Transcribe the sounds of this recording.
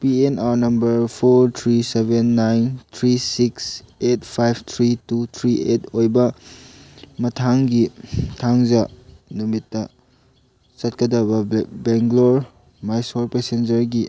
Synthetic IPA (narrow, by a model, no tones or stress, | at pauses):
pienaɾnɐmbɐɾpʰoɾt̪ʰɾisebenːajnt̪ʰɾisikset̚pʰajb̚ʰʱt̪ʰɾitut̪ʰɾiʔetojbɐ | mɐtʰaŋɡitʰaŋzɐnumitːɐ | sɐt̚kɐdɐbɐbeŋɡloɾ | majsolpesend͡ʒɐɾɡi